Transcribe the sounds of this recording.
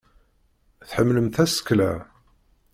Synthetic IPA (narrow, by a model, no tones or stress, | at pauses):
θħəmːləmt̪æsə̥kːlæ